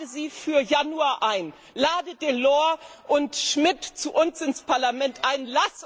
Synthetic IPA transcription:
əziːfyːɐjanuaːʔaɪn | laːdəd̥eːlɔːɐʔʊntʃmɪtt͡suʔʊnsɪnspʰaɐlamɛntʔaɪnlas

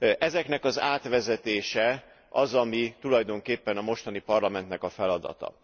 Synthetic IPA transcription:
ʔɛzɛkn̪ɛkɒza̰ːt̪ʋɛzɛt̪eːʃɛ | ʔɒzɒmit̪ulɒjd̪o̞ŋkeːpːɛnɒmo̞ʃt̪ɒnipɒrlɒmɛnt̪nɛkɒfɛlɒd̪ɒ̰t̪ɒ̰

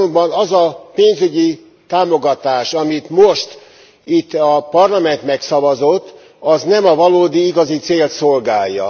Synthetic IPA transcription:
ombɒnɒzɒpeːnzyɟi | t̪aːmo̞ɡɒt̪aːʃɒmit̪moʃt̪ | it̪ːɒpɒrlɒmɛnt̪mɛksɒvɒzot̪ː | ɒznɛmɒvɒloːd̪iiɡɒzit̪seːlt̪solɡaːjːɒ̰

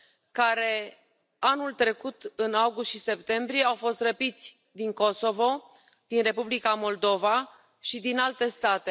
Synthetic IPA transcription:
kaɾe̞ | anult̪ɾe̞kut̪ɨnawɡust̪ʃise̞p̚t̪e̞mbɾije̞awfo̞st̪rəpit̪sʲ | d̪iŋko̞so̞vo̞ | d̪̥inre̞publikamo̞ld̪o̞va | ʃid̪inalt̪e̞st̪at̪e̞

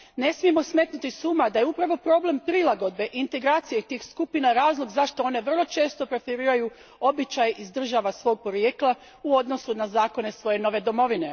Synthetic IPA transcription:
ne̞smije̞mo̞smet̪nut̪isuːmad̪ajeupɾaʋo̞pɾo̞ːble̞mpɾilˠaɡo̞d̪̚be̞ʔint̪e̞ɡɾaːt̪sijet̪iːxskupinaɾaːzlˠoɡzaʃt̪o̞o̞ne̞ʋr̩lˠo̞t͡ʃe̞ːst̪o̞pɾe̞feɾiːɾaju | o̞bit͡ʃajizd̪r̩ʒaːʋasʋo̞ːɡ̚po̞ɾjeklˠa | uo̞d̪no̞sunazaːko̞ne̞sʋo̞je̞no̞ʋe̞d̪o̞mo̞ʋine̞

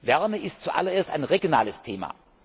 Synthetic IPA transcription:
vɛɐməʔɪstt͡suʔa̰lɐeːɐsta̰ɪnʁeɡjona̰ːləstʰeːma̰

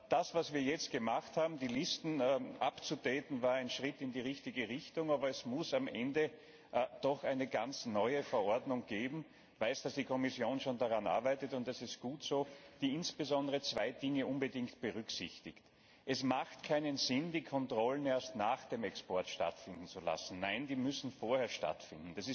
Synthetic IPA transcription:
d̥asv̥asviːɐjɛt͡st̚ɡ̥əmaχthaːbm̩diːlɪstn̩ʔapt͡sud̥ɛːtn̩vaːɐæɪnʃʁɪtɪndiːʁɪçtɪɡəʁɪçtʊŋaːbɐɛsmʊsamʔɛndə | d̥ɔxaɪnəɡant͡snɔʏəfɛɐʔɔɐdnʊŋɡ̥eːbm̩ | vaɪsd̥asd̥iːkʰɔmɪsjoːnʃoːndaʁanʔa̰ɐbæɪtətʊntɛsɪst̚ɡ̥uːtz̥oːd̥iːɪnsb̥əzɔndəʁət͡sv̥aɪdɪŋəʔʊnbədɪŋktb̥əʁʏksɪçtɪkt | ʔɛsmaxtkʰaɪnənzɪndiːkʰɔntʁ̥ɔləneːɐstnaːxd̥eːmɛkspɔɐtʃta̰tfɪndn̩t͡sula̰sn̩naɪndiːmʏsn̩foːɐhɛːɐʃta̰tfɪndn̩d̥asɪs

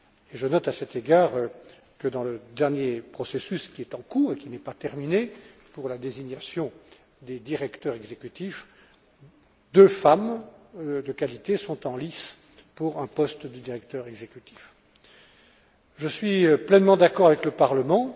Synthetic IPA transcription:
eʒənɔt̪asɛt̪eɡaːʁ | kəd̪ɑ̃ləd̪ɛʁnjepχɔsesyskʲiɛt̪ɑ̃kuːʁekʲinɛpat̪ɛʁmine | puʁlad̪eziɲasjɔ̃ | d̪ed̪iʁɛkt̪œʁɛɡzekʲyt̪if | d̪øfam | d̪əkalit̪esɔ̃t̪ɑ̃lis | puʁɛ̃pɔst̪d̪yd̪iʁɛkt̪œʁɛɡzekʲyt̪i̥f | ʒəsɥiplɛnmɑ̃d̪akɔʁavɛkləpaʁləmɑ̃

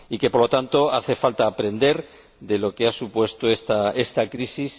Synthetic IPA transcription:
ike̞poɾlo̞t̪ant̪o̞aθe̞falt̪aːpɾe̞nd̪e̞ɾ | d̪e̞lo̞ke̞asupwe̞st̪oest̪ae̞st̪akɾisis

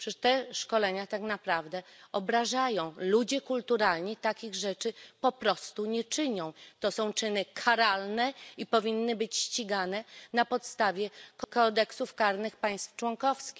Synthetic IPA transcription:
pʂɛʂt̪ɛʂkɔlɛɲat̪aknapɾavd̪ɛɔbɾaʐajɔ̃w̃lud͡ʑɛkult̪uɾalɲit̪akʲiɣʐɛt͡ʂɘpɔpɾɔst̪uɲɛt͡ʂɘɲɔ̃w̃t̪ɔsɔ̃w̃t͡ʂɘnɘkʰaɾalnɛipɔvʲinːɘbɘt͡ɕɕt͡ɕiɡanɛnapɔt̪st̪avʲjɛkɔkɔd̪ɛksufkaɾnɘxpaj̃st̪ft͡ʂwɔŋkɔfskʲix

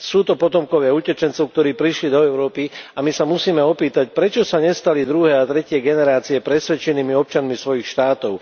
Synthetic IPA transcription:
suːt̪ɔpɔt̪ɔmkɔʋɪaucɛt͡ʃɛnt͡sɔʊk̚t̪ɔɾiːpɾiʃlid̪ɔɛʊɾɔːpiamisamusiːmɛɔpiːt̪ac̚pɾɛt͡ʃɔsaɲɛst̪alid̪ɾuɦɛːat̪ɾɛcɪɛɡɛnɛɾaːt͡siɛpɾɛsʋɛt͡ʃɛniːmiɔp̚t͡ʃanmisʋɔjixʃt̪aːt̪ɔʊ

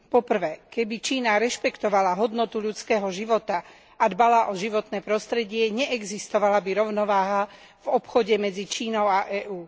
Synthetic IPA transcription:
pɔpr̩ʋɛːkɛbit͡ʃiːnaɾɛʃpɛkt̪ɔʋalaɦɔd̪nɔt̪uʎut͡skɛːɦɔʒiʋɔt̪a | ad̪balaʔɔʒiʋɔt̪nɛːpɾɔst̪ɾɛɟɪɛɲɛʔɛɡzist̪ɔʋalabiɾɔʊnɔʋaːɦa | vɔpxɔɟɛmɛd͡zit͡ʃiːnɔʊaʔɛːʔuː

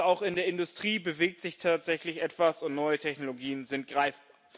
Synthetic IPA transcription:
aʊxɪndeːɐɪndʊstʁ̥iːbəveːk̚tz̥ɪçtʰaːtz̥ɛçlɪçʔɛtv̥asʊntnɔʏətʰɛçnoloɡiːənzɪnt̚ɡ̥ʁaɪfb̥a

